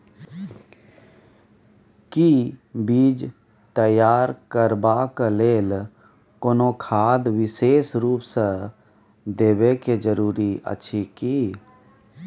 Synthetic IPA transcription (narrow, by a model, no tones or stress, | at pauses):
kibiːd͡ʒ | t̪əjaːɾkəɾbakleːl | koːnokʰaːd̪ʋɪseːsɾuːpse | d̪eːbeked͡ʒəɾuːɾiə̰ːʃʰikiː